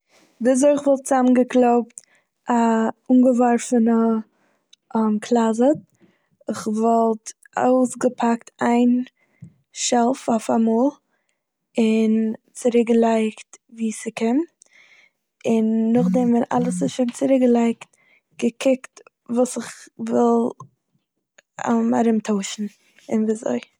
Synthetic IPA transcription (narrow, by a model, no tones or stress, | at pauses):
viz̬oɪɪχvɔlˠt̚t͡samənɡəklˠoʊpt | auːnɡəvɔɾfənə | mkʰlˠazət | ɪχvɔlˠt | o̰ʊsɡəpʰaktaɪn | ʃɛlˠfaʊfamɔːlˠ | ɪnt͡sɪɾɪk̚ɡəlˠaɪktviːsɪkɪm | ɪnːʊχdɛmvɛna̰lˠəsɪʃɪmt͡sɪɾɪk̚ɡəlˠaɪkt | ɡ̥əkʰɪkt | vuːsɪχvɪlˠ | a̰ma̰ɾɪmtʰoʊʃn̩ | ɪnviːzo̰ɪ